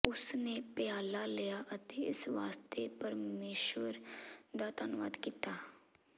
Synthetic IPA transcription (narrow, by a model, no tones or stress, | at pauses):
ʊsnepejaːlalejaʔɐt̪eɪsʋaːst̪ʰepəɾmeːʃwəɾd̪aːt̪anʊʋa̰ːd̪kiːt̪aː